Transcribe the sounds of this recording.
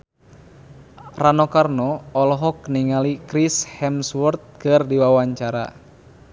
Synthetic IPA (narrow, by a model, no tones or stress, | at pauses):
ranɔkarnɔːlɔɦɔk̚niŋalikɾishɛmswərt̪̚kɨrdiwawaɲt͡ʃaɾa̰